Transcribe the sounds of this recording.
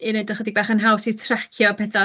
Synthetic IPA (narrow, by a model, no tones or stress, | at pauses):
inoɨdɔχədiɡ̚baχənɦawsitʰrakʰjɔpʰɛθa